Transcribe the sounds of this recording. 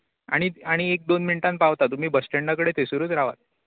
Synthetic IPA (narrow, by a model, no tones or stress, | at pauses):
a̰ɽ̃iaɽ̃iek̚d̪onminʈan̚paʋt̪at̪um̤iːbəsʈeɳɖakəɽet̪esuɾuːt̪ɾaʋa̰t̪̚